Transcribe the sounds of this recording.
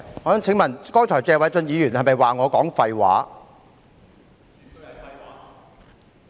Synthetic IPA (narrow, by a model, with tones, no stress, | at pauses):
ɔː˨˥nt͡sʰɪ˨˥ŋmɐ˨nkɔː˥jt͡ʃʰɔː˨˩jt͡sɛː˧wɐ˨˥jt͡sɵ˧njiː˨˧jyː˨˩nhɐ˨mɐ˨jwaː˨ŋɔː˨˧kɔː˨˥ŋfɐ˧jwa̰ː˨˥˨